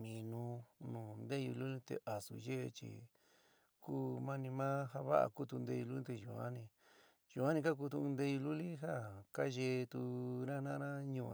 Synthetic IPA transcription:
mĩ˨nũ˧nũː˨nd̪e˦jṵ˧lu˦ĩ˦t̪ḛ˧˨ʔa˨sṵ˨ʒe˦e˧t͡ʃḭ˧ | ku˦mã˦nĩ˧mãː˦ɦa˦βa̰˦ʔa̰˧ku˦˧t̪u˧nd̪e˧ju˧lu˦ĩ˦t̪u˧ʒṵ˨a̰˦nĩ˧ | ju˧˨a˦ĩ˧k̬a˦k̬u˧t̪ũ˧nd̪e˧ju˧lu˦li˦ɦa˦˨ka˦ʒe˧t̪u˧ɾã˦nã˦nã˦ɲũ˧

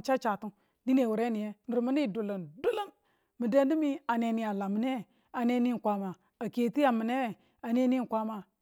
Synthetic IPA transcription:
t͡ʃa˦t͡ʃa˨tu˦n | di˦ne˨wu˨ɾe˦ni˨je˦ni˨ɾmu˦ni˦˨du˨lo˨ndu˦lo˦n | mi˨de˦n˦di˦mi˦a˨ne˨ni˨a˨la˨mi˨ne˦˨ | a˨ne˦ni˦˨kʷa˦ma˨ | a˨ke˨ti˦ja˨mi˨ne˦˨ | a˨ne˦ni˦˨kʷa˦ma˨

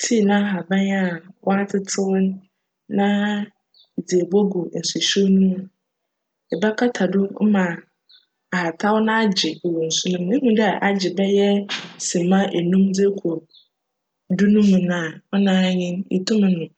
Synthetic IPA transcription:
tʰi˦˨nã˦ɦa˨bã˦na˦˨wʔɔ˦a˦tʰɪ˦tʰɪ˦wʊ˦n˦ | nã˦ | i˨d͡zi˨e˨bo˦ɡʊ˨n̩˨su˨ɕo˦nũ˦m̃˨ | ɛ˨ba˦kʰa˦tʰa˨dʊ˦mã˨ | a˨ha˨tʰa˦wʊ˦nã˦a˦d͡ʑɪ˨wɔ˨n̩˨sʊ˦nʊ̃˦m˦e˦ɦũ˨dɛ˦a˨ʔa˨d͡ʑɪ˨bɛ˦jɛ˦sĩ˨mã˦ʔe˨nũ˦mdɪ˦kʰɔ˨ | dʊ˦nʊ̃˦mũ˨nã˨ɔ˦nãː˦ɲɪ̃˦nḭ˨tʰʊ̃˦m̃˨nʊ̃˨

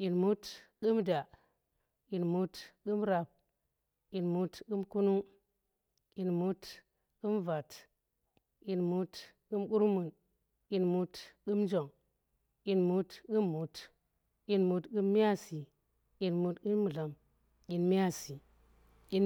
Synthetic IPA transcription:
ji˨nmu˦tɡu˦mda˨ | i˨nmu˦tɡu˦mɾa˨p̚ | i˨nmu˦tku˦mku˦nu˦ŋ | i˨nmu˦t | ɡu˦mva˨t | i˨nmu˦t | ɡ̥u˦mku˦ɾmu˨n | i˨nmu˦tɡu˦md͡ʒo˨ŋ | i˨nmu˦tɡu˦mːu˨t | ji˨nmu˨˦tɡu˦mːi˦ja˦si˨ | i˨nmu˦tku˦mːu˨la˨m | ji˨nmi˦ja˦si˨ | i˨

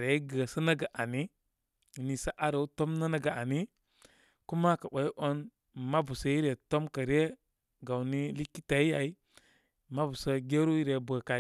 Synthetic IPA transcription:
ɾe˨˦ɡə˨sə˦na˦ɡa˨ʔa˨ni˦˨ | ni˨sa˦ʔa˦ɾo˨˦to˦mna˦na˦ɡa˨a˨ni˦ | ku˦ma˦ka˨wʷe˨˦ʔo˦n | ma˦bu˨sə˦ji˦ɾe˨to˦mkə˨ɾe˦ | ɡa˨wni˦li˦kːi˦ta˨i˦ja˨i˦ | ma˦bu˨sə˦ɡe˦ɾu˦ji˦ɾe˨˦bə˨ka˨˦

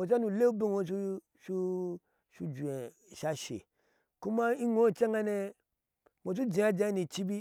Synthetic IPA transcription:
o˨t͡ʃa˦nu˨le˦bi˦ŋõ˦t͡ʃu˦ | ʃu˦ | ʃu˦d͡ʒu˨e˨ | ʃa˦ʃḛ˨ | ku˦ma˦i˦ŋo˦˨t͡ʃa˦ŋa˦ne˧ | mo˨t͡ʃu˦d͡ʒi˨a˦d͡ʒa˦ni˨t͡ʃi˦bi˦

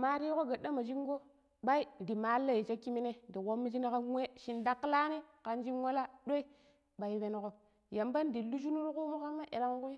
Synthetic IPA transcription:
ma˨ɾi˦ko˦ɡa˨ɗːa˦ma˨d͡ʒi˦ŋ˦ɡo˦ | ɓa˦i˦di˨ma˨˦lːa˦ji˨t͡ʃa˦ki˦mi˦ne˦di˨ko˦mːi˦d͡ʒi˦na˦ka˦ŋʷe˦ʃi˨nda˦kːla˦ne˦ka˨nd͡ʒi˦wa˦la˦ɗo˦i˦ | ɓa˨i˦be˦n˨ko˦ | ja˨mba˦ndi˨lu˦d͡ʒu˦nu˦ɾku˦mu˦ka˦mːa˦ʔe˨la˦ŋ˦ku˦j

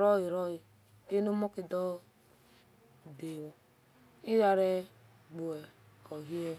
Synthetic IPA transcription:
ɾɔ˦ji˨ɾɔ˦ji˨ | e˦no˦mɔ˦ki˨dɔ˦ | de˨wo˨ | i˦ɾa˨ɾɛ˦ | ɡ͡bo˨ɛ˨ | kɔ˨ɦi˦ɛ˦

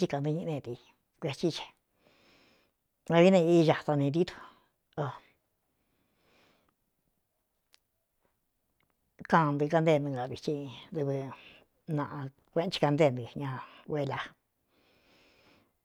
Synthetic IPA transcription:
t͡ʃi˧ka˧˨nd̪ɨ˧ɲĩ˧nẽ˧t̪i˧ | kʷe˧t͡ʃi˦˧t͡ʃe̥˨˧ | a˧βi˦nẽ˧i˦˧ʒa˨t̪a˧nĩ˧d̪i˦t̪o̥˧ | o˧ | kã˧nd̪ɨ˧ka˧nd̪e˧˨˧nd̪ũ˧ɡa˧˨βi˨˧t͡ʃĩ˧d̪u˧βɨ˧ | nã˧ʔã˧ | kʷẽ˦t͡ʃi̥˧ka˧nd̪e˦˧˨nd̪ɨ˧ɲã˧we˧la˧

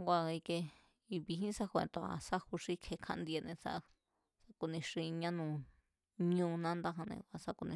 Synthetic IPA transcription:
kʷa˧i˧ke˧ | i˧βi˧ɦĩ˦sa˦kʷḛ̃˧˨t̪o˧a̰˧sa˦hu˧ʂi˦˧kʰe˧kʰã̰˧ʔnd̪i˧e˧nẽ˧sa̰˦ | sa˦ku˧nĩ˧ʂi˧ɲã˦nũ˧˨ | ɲũ˦˧˦nã˦nd̪a˦ɦã˧nḛ̃˧kʷa˧sa˦ku˧nĩ˧

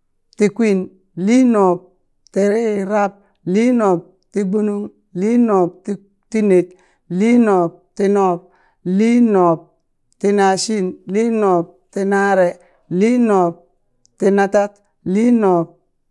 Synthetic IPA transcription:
ti˨kʷi˦n | li˦no˨p̚ | ti˨ɾi˦ɾa˦p̚ | li˦no˨p̚ | ti˦ɡ͡bu˦nu˦ŋ | li˦no˨p̚t | ti˦ne˨t̚ | li˦no˨p̚ti˦no˦˨p̚ | li˦no˨p̚ | ti˨na˨ʃi˦nli˦no˨p̚ti˨na˦ɾe˨ | li˦no˨p̚ | ti˨na˦ta˦t | li˦no˨p̚

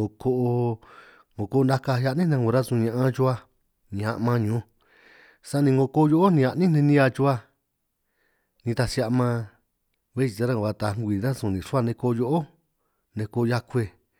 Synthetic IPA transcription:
o˨ko˦ʔo˧ | ŋɡo˨ko˦˧nd̪a˦ka˧˦ja˧ʔnĩ˦nã˧ŋɡu˧ɾa˦zũ˧ɲã˧ʔã˧ʒu˧˦a˧ | nĩ˧ã̰˧ʔmã˧ɲũ˨˦˧ | sã˦˧nĩ˧ŋɡo˧ko˦˧jo˦ʔo˦nĩ˧a˧ʔnĩ˦nẽ˧nĩ˦a˧t͡ʃu˧˦a˧ | nĩ˧t̪a˧si˧a˧ʔmã˧ | βe˦i˧˨ta˧ɾã˧˨a˧t̪a˨˧˨ŋ˦ɡʷi˨nã˦zũ˨nĩ˨ʂu˦a˦˧nẽ˧ko˧jo˧ʔo˦ | nẽ˧ko˧ja˧kʷe˧

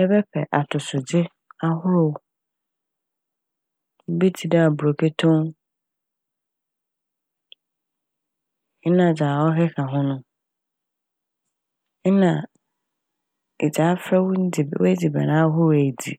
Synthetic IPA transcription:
ɛ˦bɛ˦pʰɛ˨ʔa˨tʰʊ˨sʊ˨d͡ʑɪ˦ | a˦ɦʊ˦ɾʊ˨ | m̩˦bi˦tʰi˨da˦a˨bu˨ɾo˨pʰe˦tʰõ˦ŋ˦ | nã˨d͡ʑaː˨ɔ˦ɦɛ˦kʰa˨ɦʊ̃˦nʊ̃˦ | nã˨ | ɪ̰˨d͡ʑaː˨˦fɛ˦wwæ˦d͡zi˨bɛ̰˨nãː˦ɦʊ˦˨æ˨dḭ˨

